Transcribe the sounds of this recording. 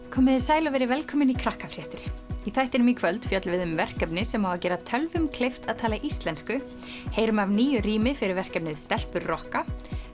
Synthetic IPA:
kʰɔːmɪðɪsaːjlavɛɾɪvɛlkʰɔːmɪnikʰɾahkafɾ̥jɛːht̪ɪɾ̥iθajht̪ɛɾʏmikʰvœlt̪fjœt̪lvɪðʏmvɛr̥kɛpnɪsɛmhaːwvacɛːɾat̪ʰœlvʏmkʰlejft̪aðt̪ʰaːlaʔist̪lɛnskʏ | heːjɾʏmavniːjʏɾiːmɪfɪɾɪɾvɛr̥kɛp̚nɪðst̪ɛl̥pʏɾrɔhka

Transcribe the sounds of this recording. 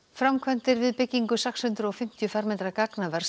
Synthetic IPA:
fɾamkʰvɛnt̪ɪɾvɪðpɪcːiŋkʏsɛkshʏnt̪ɾʏɔɣfɪm̥t̪jʏfaɾmɛnt̪ɾakaknavɛɾ̥s

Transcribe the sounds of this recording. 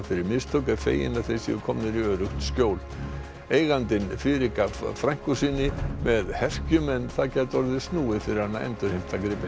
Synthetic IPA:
fɪɾɪɾmɪst̪ʰowk̬afḛːjɪ̰naθejsḭʏkʰɔːmnɪɾiœːɾʏxt̪scjoːwl | eːjɣant̪ɪnfɪːɾɪkafɾajŋ̥kʏsiːnːɪmɛðhɛr̥cʏmɛnːθaðcɛːt̪ɔɾðɪst̪nuːɪfɪɾɪɾ̥hanːaʔɛ̰nt̪ʏɾhem̥t̪akɾɪːpɪ

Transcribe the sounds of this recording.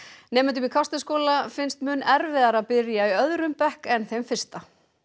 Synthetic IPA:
nɛːmɪnt̪ʏmikʰast̪ɪskoːwlafɪnst̪mʏːnːɛɾvɪðaɾaðpɪɾjaiœðɾʏmpɛhkɛnθejmfɪr̥st̪a

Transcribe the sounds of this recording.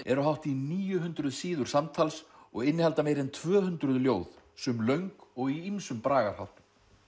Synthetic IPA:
ɛɾʏɦawht̪iniːjʏɦʏnt̪ɾʏðsiːðʏɾ̥samt̪ʰalsɔɣɪnːɪhalt̪ameːjɾɪnt̪ʰvœːhʏnt̪ɾʏðljoːwð | sœmlœɥŋkɔɣiimsʏmpɾaːɣaɾ̥ha̰wt̪m

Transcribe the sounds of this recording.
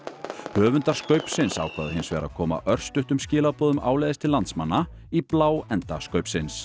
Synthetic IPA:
hœːvʏnt̪aɾ̥skœɥpsɪnsa̰ːwkʰvaðhɪnsvɛːɾa̰kʰɔːma̰ʔœr̥st̪ʏht̪ʏmscɪːlapɔːðʏmʔa̰ːwlejðɪst̪ʰɪlːant̪smanːa | iplaːwɛnt̪askœɥpsɪns

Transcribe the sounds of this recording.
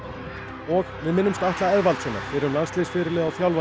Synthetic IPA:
ɔɣvɪðmɪnːʏmst̪aht̪laɛðvalt̪sɛːnːa̰ɾ̥fɪːɾʏmlanst̪eːsfɪɾɪɾlɪðawfjawlva

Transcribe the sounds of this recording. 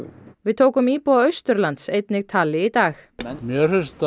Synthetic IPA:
vɪðt̪ʰoːwkʏmiːpɔaœɥst̪ʏɾlant̪sejt̪nɪɣt̪ʰaːlɪit̪aːxmjœrʏst̪

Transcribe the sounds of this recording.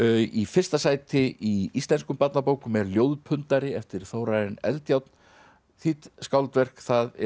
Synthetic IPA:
ifɪr̥st̪asaːjt̪ɪʔiist̪lɛnskʏmpat̪napoːwkʏmɛɾljoːwðpʰʏnt̪aɾɪɛft̪ɪɾ̥θowɾajðɪnɛ̰lt̪jawt̪n | θit̪skawlt̪vɛr̥kθaðɛ

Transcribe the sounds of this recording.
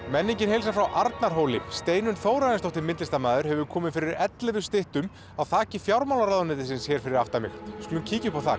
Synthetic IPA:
mɛnːiɲcɪnɦejlsafɾawʔaɾt̪naɾ̥ɦoːwlɪst̪eːjnʏnθoːwɾaɪnst̪ɔwht̪ɪmɪnt̪lɪst̪amaːðʏɾ̥hɛvʏkʰɔːmɪnfɪɾɪɾɛt̪lɪðʏst̪ɪht̪ʏm | awθaːcɪfjawɾmawlaɾaðʏnɛːt̪ɪsɪnsçɛɾ̥fɪɾɪɾaft̪amɪ̰xskʏlʏncʰiːcɪʏpawθa̰ː

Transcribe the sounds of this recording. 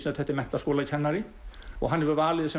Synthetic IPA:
snat̪θɛht̪ɪmɛn̥t̪askɔːlaðcʰɛnːaɾɪ | ɔ̰ɣɦanːɛvʏɾvaːlɪðɪsɛ

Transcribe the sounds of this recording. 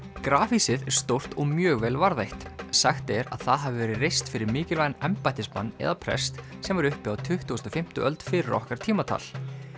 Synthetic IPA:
kɾaːfisɪðɛɾ̥st̪owr̥t̪ɔɣmjœːɣvɛːlvaɾðajht̪saxt̪ɛɾa̰ðθaðɦavɪvɛːɾɪrejst̪fɪɾɪɾmɪːcɪlvajðnɛmpajt̪ɪspma̰nːɛ̰ðapʰɾɛ̰st̪sɛmvaɾʏhpɪawt̪ʰʏht̪uːst̪ɔfɪm̥t̪ʏʔœlt̪fɪːɾɔ̰hkaɾ̥t̪ʰiːmat̪ʰa̰ːl̥

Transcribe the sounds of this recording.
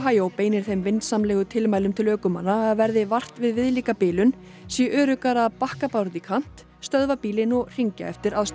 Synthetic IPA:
ɦaːjowpeːjnɪɾ̥θejmvɪnt̪samlɛːɣʏt̪ʰɪlmajlʏmt̪ʰɪlœːkʏma̰nːaaðvɛɾðɪvar̥t̪vɪðvɪðliːkapɪːlʏn | sjɛʔœːɾʏkaɾaðpahkapawɾt̪ikʰan̥t̪ | st̪œðvapiːlɪnɔɣr̥iɲca̰ɛft̪ɪɾaðst̪

